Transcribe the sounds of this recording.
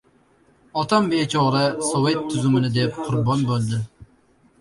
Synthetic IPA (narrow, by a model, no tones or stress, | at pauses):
ɒt̪ʰamvet͡ʃʰɑːɾɛsowet̪ʰːyzɪmɪnɪd̪epqʰʊɾbɑnbolˠd̪ɪ